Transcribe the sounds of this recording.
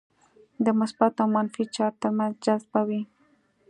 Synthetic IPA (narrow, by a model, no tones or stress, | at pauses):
d̪əmʊsbat̪awmanfit͡ʃɑɾt̪əɾmanzd͡ʒalzbawi